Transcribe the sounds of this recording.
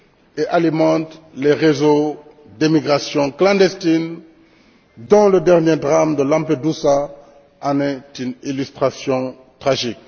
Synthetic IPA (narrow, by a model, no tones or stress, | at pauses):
eʔalimɑ̃t̪leʁezo | d̪emiɡʁasjɔ̃klɑ̃nd̪est̪in | d̪ɔ̃ləd̪ɛʁnjed̪ʁamd̪əlãmped̪usa | anɛt̪ynilyst̪χasjɔ̃ | t̪χaʒik̚